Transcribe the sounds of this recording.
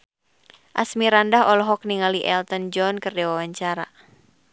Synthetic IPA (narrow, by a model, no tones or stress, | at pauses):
ʔa̰smiɾandaɦɔlɔɦɔk̚niŋaliʔɛlt̪ənd͡ʒɔnkɨrdɛwawaɲt͡ʃaɾa̰